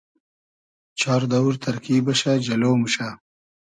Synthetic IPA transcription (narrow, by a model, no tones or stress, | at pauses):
t͡ʃʰɑːɾd̪ɐwuɾt̪ʰɐɾkiːbɐʃad͡ʒɐloːmuʃa